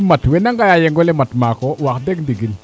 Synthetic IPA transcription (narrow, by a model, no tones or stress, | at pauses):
matwɛnaŋɡajajɛŋɡɔlɛmatmakɔwakdɛkdiɡil